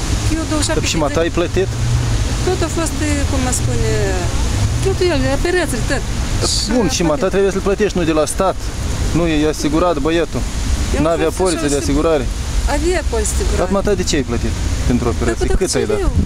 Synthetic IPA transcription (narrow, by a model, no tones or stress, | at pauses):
jed̪oʃimaaajplət̪it̪t̪ot̪afost̪kumaspunʲe | t̪ot̪ujelapeɾat̪səlʲt̪ət̪bunʃimat̪at̪ɾe̞bujesəlplət̪eʃt̪ʲnud̪elast̪at̪ | nujejasiɡuɾat̪bəjet̪unaːvejapolit̪sed̪easiɡuɾaɾeaviapotʲsasiɡuɾat̪mat̪ad̪et͡ʃeajplət̪it̪pent̪ɾoopeɾat̪sijekɨt̪ajd̪a